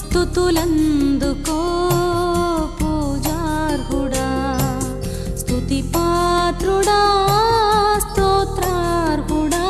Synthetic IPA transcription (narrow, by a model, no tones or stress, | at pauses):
t̪ut̪ulɐnd̪uko | pud͡ʒaɾɡuɽa | st̪ʰut̪ipat̪ɾuɽa | st̪oːt̪ɾaɾɡuɽa